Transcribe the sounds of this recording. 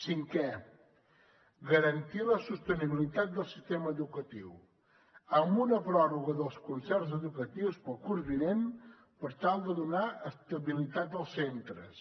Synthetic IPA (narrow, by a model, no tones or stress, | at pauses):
siŋkɛ | ɣəɾənt̪iləsust̪əniβilit̪at̪̚d̪əlˠsist̪eməːðukət̪iw | əmbunəpɾɔruɣəðəlˠskunsɛɾzəðukət̪iwspəlˠkuɾβinen | pəɾt̪alˠd̪əðunaʔəst̪əβilit̪at̪̚d̪əlˠsːent̪ɾə̰s